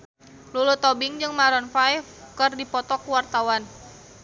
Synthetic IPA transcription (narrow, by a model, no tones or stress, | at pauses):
lulut̪ɔbɪŋd͡ʒɨŋmaɾɔnfajfkɨrdipɔt̪ɔkuwart̪awan